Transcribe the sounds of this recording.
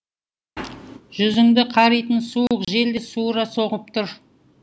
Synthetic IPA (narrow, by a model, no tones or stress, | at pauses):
ʒʏzɪŋd̪ɪqʰɑɾijt̪ənsuəqʒe̞ld̪ɪsuɾɑso̞ʁəp̚t̪ʰʊɾ